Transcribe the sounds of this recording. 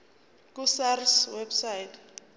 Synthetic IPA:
k̬usariswɛbsajtʰʼ

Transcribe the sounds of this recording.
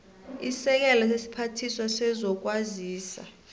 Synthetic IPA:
isɛk̬ɛlɔs̬esi̥pʰatʰiswasɛzɔk̬ʼwaziːsa̰

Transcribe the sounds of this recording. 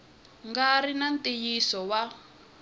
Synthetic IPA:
ŋɡarinantijisɔwa

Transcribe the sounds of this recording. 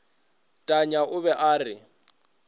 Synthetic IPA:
tʼaɲaʊβɛʔaːrɪ

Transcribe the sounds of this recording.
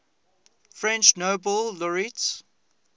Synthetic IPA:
fɹɛ̃nt͡ʃnoʊbɔlːɔɹits

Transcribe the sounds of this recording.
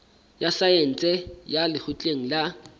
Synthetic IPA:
jasaen̩t͡sʼɛjalɪhʰʊt͡ɬʼeŋ̩la

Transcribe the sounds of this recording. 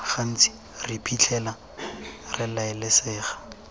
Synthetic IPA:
fan̩t͡sʼi̥ | ripʰʼit͡ɬʰɛla | rɪlaɪlɪsɪːχḁ

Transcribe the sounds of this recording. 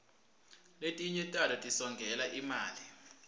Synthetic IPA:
letʼiɲɛtʼalɔtʼisɔŋɡʱɛlaʔimaːli

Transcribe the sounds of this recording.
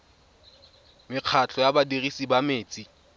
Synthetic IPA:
mɪq͡χʰat͡ɬʰɔjabadirisibameːt͡sʼi

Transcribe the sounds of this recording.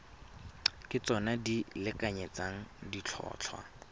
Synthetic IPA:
kʼɪt͡sɔnadilɪkaɲet͡saŋ̩dit͡ɬʰɔ̰ːt͡ɬʰwa̰

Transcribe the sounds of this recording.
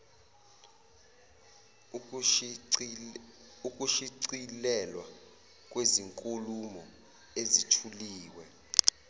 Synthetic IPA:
uk̬ʼuʃiǀilɛlwa | k̬ʼweziŋkʼulumɔ | ezitʰuliːwɛ

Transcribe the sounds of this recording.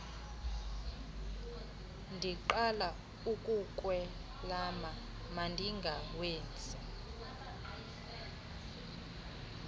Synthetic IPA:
ndʱiǃala | ukʼukʼwɛ | laːma | mandʱiŋɡʱaweːnd͡zʱʼi

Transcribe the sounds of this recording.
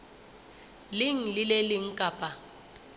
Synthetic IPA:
lɪŋ̩lɪlelɪŋ̩kʼaːpʼa

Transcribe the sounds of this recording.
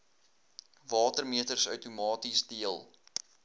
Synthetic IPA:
vɑːtərmiətərsœ̰ɥtumɑːtisdiəlˠ

